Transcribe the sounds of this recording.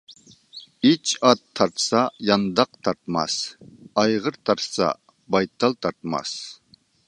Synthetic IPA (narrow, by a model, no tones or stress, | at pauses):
it͡ʃʰɑt̪ʰːɑɾt̪ʰsɑjɑnd̪ɑq̚t̪ʰɑɾt̪mɑ̰sɑjʁəɾt̪ʰɑɾt̪ʰsɑ̰ | bɑjt̪ʰːɑlˠt̪ʰɑɾt̪mɑ̰s